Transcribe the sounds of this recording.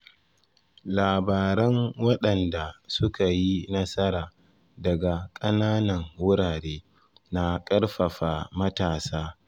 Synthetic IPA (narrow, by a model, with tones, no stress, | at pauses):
laː˨baː˨ɾɛ˦ŋwɐ˦ɗɐ˨nda˨sʊ˦ka˨ji˦nɐ˦sɐ˦ɾaː˨ | dɐ˨ɡa˨kʼɐ˦naː˦nɐ˨ŋwʊ˦ɾaː˨ɽeː˦ | na˦kʼɐ˦rɸɐ˨ɸaː˨mɐ˦taː˨saː˦